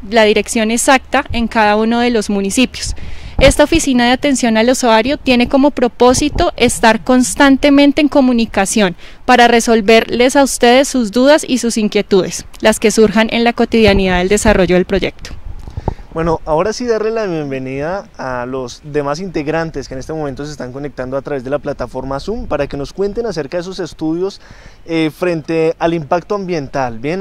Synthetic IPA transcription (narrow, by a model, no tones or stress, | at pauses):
laðiɾe̞ksjo̞ne̞sak̚t̪ae̞ŋkaðaunoðe̞lo̞zmunisipjo̞se̞st̪ao̞fisinaðeat̪e̞nsjo̞nalosoaɾjo̞t̪je̞ne̞ko̞mo̞pɾo̞po̞sit̪o̞ʔe̞st̪aɾko̞nst̪ant̪e̞mẽnt̪e̞eŋko̞munikasjo̞n | paɾare̞so̞lbe̞ɾle̞saust̪e̞ðe̞sːuzd̪uðasisusiŋkje̞t̪uðe̞s | laske̞suɾxanʔe̞nlako̞t̪iðjaniðaðe̞ld̪e̞saro̞ʝo̞ðelpɾo̞ʝe̞k̚t̪o̥ | bwe̞no̞ʔao̞ɾasiðaɾlelaβje̞mbe̞niðaːlo̞zd̪e̞masint̪e̞ɣɾant̪eskene̞st̪emo̞mẽnt̪o̞s̬eːst̪aŋko̞nek̚t̪and̪oat̪ɾaβe̞zd̪e̞laplat̪afo̞ɾmasumpaɾake̞no̞skwe̞nt̪enase̞ɾkaðes̬ose̞st̪uðjo̞s | efɾe̞nt̪e̞alimpakt̪oambje̞nt̪albjen